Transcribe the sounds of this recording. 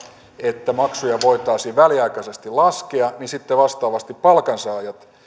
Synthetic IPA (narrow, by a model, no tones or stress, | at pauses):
et̪ːæmɑksujɑʋoit̪ɑːsiːʋæliɑikɑsest̪ilɑskeɑnisit̪ːeʋɑst̪ɑːʋɑst̪ippɑlkɑnsɑːjɑt̪